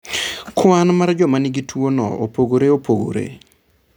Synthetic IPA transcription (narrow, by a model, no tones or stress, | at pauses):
kwanmard͡ʒɔmanɪɡitʰwonɔ̰o̰poɡoɾeopoɡo̰ɾḛ